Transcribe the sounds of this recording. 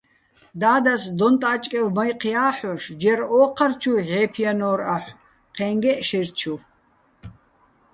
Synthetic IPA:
d̪aːd̪asd̪ɔnt̪ʼaːt͡ʃʼkʼɛvmajqʰjaːħɔʃd͡ʒɛɾɔːqʰart͡ʃʰuʕɛːpʰijanɔːɾaħʷ | qʰɛːŋɡɛʔʃiɾt͡ʃʰu

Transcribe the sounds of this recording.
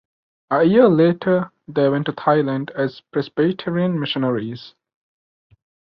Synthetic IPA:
əjiəleːʈʰə | d̪eːwɛ̃nʈːut̪ʰaɪlə̃nɖæz̥pɹɛsbeʈʰɛɹiə̃nmɪʃənəɹiz̥

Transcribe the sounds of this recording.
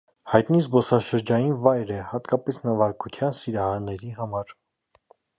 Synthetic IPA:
hɑjt̪nizbɔsɑʃəɾd͡ʒɑjinvɑjɾɛhɑt̪kɑpɛsnɑvɑɾkʰut̪ʰjɑnsiɾɑhɑɾnɛɾiɦɑmɑɾ

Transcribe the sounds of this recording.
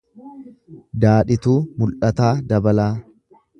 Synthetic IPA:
d̪aːᶑɪt̪uːmʊlʔɐt̪aːd̪ɐbɐlaː

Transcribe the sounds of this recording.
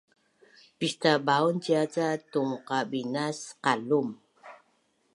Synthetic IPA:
pistabauntiat͡satuŋqabinasqalum

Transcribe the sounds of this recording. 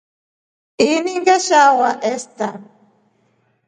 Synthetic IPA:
iniŋɡaʃawaʔest̪a

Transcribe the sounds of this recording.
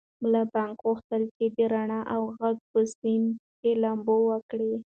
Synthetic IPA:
mlabɑŋkɣuxt̪əlt͡ʃed̪əɾaɳaʔawɣaɡ̚pəsimkelambowəkɽi

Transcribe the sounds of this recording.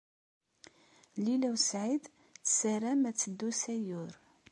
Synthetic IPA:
lilæwsʕid̪ | θsəɾæmæt͡sːəd̪ːusæjʊɾ

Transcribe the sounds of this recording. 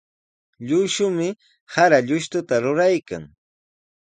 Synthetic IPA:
ʎʊʃʊmɪ | haɾaʎʊʃt̪ʊt̪aɾʊɾajka̰ŋ

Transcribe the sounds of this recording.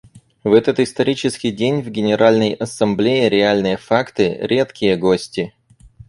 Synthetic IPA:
vɛt̪ət̪ɨst̪ɐɾʲit͡ɕɪskʲɪjdʲenʲvɡʲɪnʲɪɾʔalʲnəjɐsɐmblʲejɪɾʲɪalʲnɨjəfakt̪ɨɾʲe̞t̪kʲɪjəɡosʲtʲɪ

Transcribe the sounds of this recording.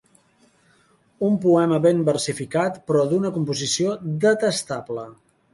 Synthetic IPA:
umpuɛməβembərsifikat̪pɾɔðunəkumpuzisiod̪ət̪əst̪ablə

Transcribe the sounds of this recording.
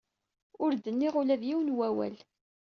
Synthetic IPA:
ʊɾd̪ənːiʁʊlæðjiwnwæwæ̰l

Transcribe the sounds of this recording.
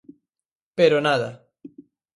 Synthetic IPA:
peɾonaða

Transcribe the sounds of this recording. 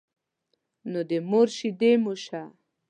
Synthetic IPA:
nod̪emoɾʃid̪emoʃa

